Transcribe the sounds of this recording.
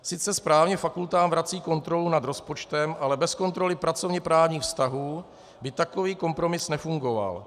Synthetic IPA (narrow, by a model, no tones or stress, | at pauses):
sɪt͡sɛspɾaːvɲɛfakult̪aːmvɾat͡siːko̞nt̪ɾo̞lunad̪ɾo̞spo̞t͡ʃt̪ɛmʔalɛbɛsko̞nt̪ɾo̞lɪpɾat͡so̞vɲɛpɾaːvɲiːxfst̪aɦuː | bɪt̪ako̞viːko̞mpɾo̞mɪsnɛfuŋɡo̞va̰l